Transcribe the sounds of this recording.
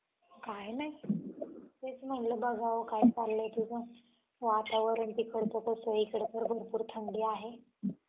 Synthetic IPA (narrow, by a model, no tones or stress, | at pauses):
kajnaɦi | et͡sm̤əɳləbəɡʱaʋəkajt͡salːet̪ud͡zə | ʋat̪aʋəɾanipikəɽt̪əkəsʋəikəɽt̪əɾbʱəɾpuːɾt̪ʰəɳɖiːaɦe